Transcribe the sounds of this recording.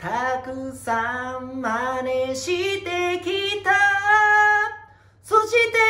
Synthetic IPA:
t̪ʰakɯsamːaneɕʰit̪ekit̪ʰa | sʰoɕit̪e

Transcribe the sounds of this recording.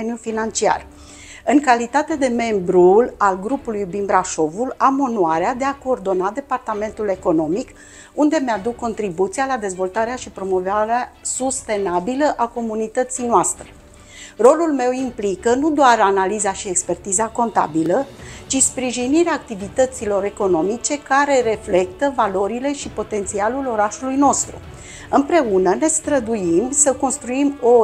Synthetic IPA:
njufinant͡ʃia̰r | ɨŋkalit̪at̪e̞d̪e̞me̞mbɾulalɡɾupulujbimbɾaʃo̞vulamonuaɾead̪e̞ako̞ːrd̪o̞nad̪e̞part̪ame̞nt̪ule̞ko̞no̞mik | und̪e̞mead̪ukːo̞nt̪ɾibut̪sijalad̪e̞zvo̞lt̪aɾeaʃipɾo̞mo̞vaɾeasust̪e̞nabiləʔako̞munit̪ət̪sijnoast̪ɾe | ro̞lulme̞wimplikənud̪oaranalizaʃie̞kspe̞rt̪izako̞nt̪a̰bilət͡ʃispɾiʒiniɾeaːk̚t̪ivit̪ət̪silo̞ɾe̞ko̞no̞mit͡ʃe̞kaɾe̞ɾe̞fle̞k̚t̪əvalo̞ɾile̞ʃipo̞t̪e̞nt̪sialulo̞ɾaʃulujno̞st̪ɾṵ | ɨmpɾe̞unəne̞st̪ɾəd̪uimsəko̞nst̪ɾuimo

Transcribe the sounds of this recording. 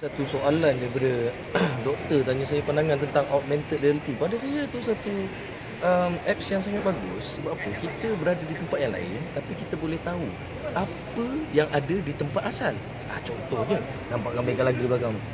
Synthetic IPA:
sat̪usoalandaipadə | dɔk̚t̪ərt̪aɲasajapanaŋãnt̪ənt̪aŋɔʔ̚mɛ̃nt̪ət̪̚raalət̪ipadasajat̪usat̪u | ʔəmɛp̚sjaŋsaŋat̪̚baɡʊsəbaapəkit̪əbəɾadadit̪əmpat̪̚jaŋla̰ɪ̰nt̪apikit̪abolɛht̪au | apəjaŋadadit̪əmpat̪asal | ʔat͡ʃɔnt̪ɔhɲə | nampaʔɡambakalaɡibaɡaŋ

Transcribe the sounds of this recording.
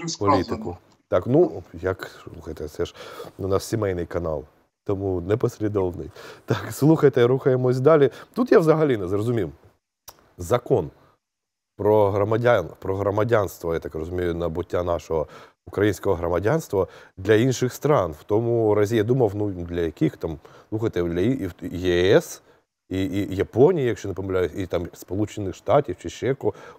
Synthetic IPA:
pɔlʲit̪ɪkʊ | t̪ɑknujɐksslˠuxɐjt̪ɛt̪sɛʃnunɐsʲimɛjnɪjkɐnɑ̰lˠ | t̪ɔmunɛpɔsʲlʲid̪ɔwnɪ̰jt̪ɑkslˠuxɐjt̪ɛɾuxɐjemɔsʲd̪ɑlʲit̪ut̪jaʋzɐɦɐlʲinɛzrɔzʊmʲiw | zɐkɔn | pɾɔɦɾɔmɐdʲanpɾɔɦɾɔmɐdʲanst̪ʋɔjat̪ɑkrɔzʊmʲejʊnɐbʊtʲːanɑʃɔɦɔ | ʊkɾɐjinʲsʲkɔɦɔɦɾɔmɐdʲanst̪ʋɐd̪lʲɐinʃɪxst̪ɾɑnwt̪ɔmʊɾɐzʲijad̪umɐwnud̪lʲɐjɐkʲixt̪ɑmslˠuxɐjt̪ɛd̪lʲɐijɛɛs | ijɐpɔnʲijijɐkʃt͡ʃɔnɛpɔmɪlʲajʊsʲit̪ɑmspɔlˠut͡ʃɪnːɪxʃt̪ɑtʲiwt͡ʃɪt͡ʃːɛkɔ

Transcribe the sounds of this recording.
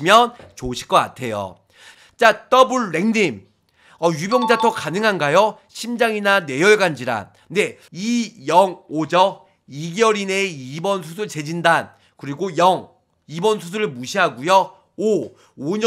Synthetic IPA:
imjʌnt͡ɕoɕʰi̥k͈ʌk͈a̰tʰe̞jo̰ | t͡ɕ͈at͈ʌbuɭːe̞ŋnim | ʌjubjʌŋd͡ʑatʰʌkanɯŋɦanɡajo | ɕʰimd͡ʑaŋinane̞jʌɭɡand͡ʑiɾa̰n | ne̞ | ijʌŋod͡ʑʌ | iɡjʌɾineibʌns̬ʰusʰɯɭt͡ɕe̞d͡ʑindan | kɯɾiɡojʌŋ | ibʌns̬ʰus̬ʰuɾɯɭmuɕʰiɦaɡujʌ | o | oɲ

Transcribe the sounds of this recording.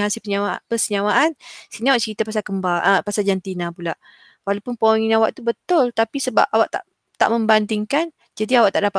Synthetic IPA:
ɦasilpəɲaapəsəɲawaʔansiniawaʔt͡ʃəɾit̪apasalkəmbalʔəpasald͡ʒant̪inãpulaʔ | walapʊnpəɔŋinawa̰ʔt̪ubət̪ʊlt̪apisəba̰p̚ʔawaʔt̪a̰ʔ | t̪a̰ʔmə̃mband̪iŋkan | d͡ʒadiawaʔt̪aʔdapa

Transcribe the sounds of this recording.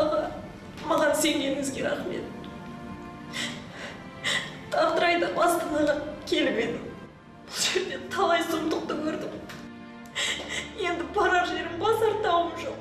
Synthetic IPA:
ʁɑ | mɑʁɑnse̞ŋneɾɪŋɪzɡʲe̞ɾɑ̰χme̞̰t̪̚ | t̪ʰɑɾt̪əɾɑjd̪əbɑst̪ɑnɑʁɑkʲʰe̞lɪbe̞jd̪ɪ | b̥ʊlˠʒe̞ɾd̪e̞t̪ʰɑlˠɑjzʊmt̪əq̚t̪əkʲʰɵɾd̪ɪm | je̞nd̪ɪpʰɑɾɑɾʒe̞ɾɪmbɑsɑɾt̪ɑwəmʒoq

